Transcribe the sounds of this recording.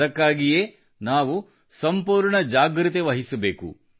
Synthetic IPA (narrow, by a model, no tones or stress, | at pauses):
ɐkːaːɡije̞ː | naːʋu | sɐmpuːɾɳɐd͡ʒaːɡɾɨt̪eʋɐɦisɐbe̞ːkṵ